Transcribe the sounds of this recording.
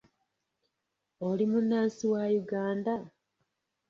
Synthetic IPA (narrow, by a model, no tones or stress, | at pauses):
olimunːaːnsiwajuɡaːnda